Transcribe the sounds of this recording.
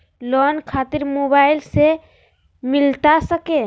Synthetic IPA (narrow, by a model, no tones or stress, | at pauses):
lɔːnkʰaːt̪ɪɾmoːbaːɪlse | mɪlt̪asəke